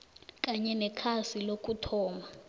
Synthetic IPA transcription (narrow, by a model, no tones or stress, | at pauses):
k̬ʼaɲɛnɛkʰasilok̬ʼutʰɔːma